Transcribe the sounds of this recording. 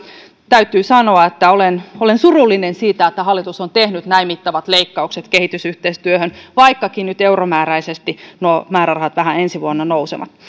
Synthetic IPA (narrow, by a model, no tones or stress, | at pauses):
t̪æyt̪ˑyːsɑnoɑet̪ːæolenolensurulːinensiːt̪æet̪ːæɦɑlːˑit̪usont̪ehnyt̪næimit̪ːɑʋɑt̪leikːɑukset̪kehit̪ysyht̪eist̪yøhønʋɑikːɑkinnyt̪euromæːɾæisest̪inomæːɾærɑhɑt̪ʋæɦæensiʋuonːɑnousḛʋɑ̰t̪